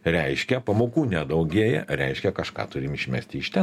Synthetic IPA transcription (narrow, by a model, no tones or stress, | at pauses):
ɾʲɛɪʃʲkʲɛpɐmoːkuːnʲɛd̪ɐʊɡʲiɛjɛ̰ɾʲɛ̰ɪʃʲkʲɛkɐʃkɑ̰ːt̪ʊɾʲɪmɪʃʲmʲæ̰sʲt̪ʲɪɪʃt̪ʲɛ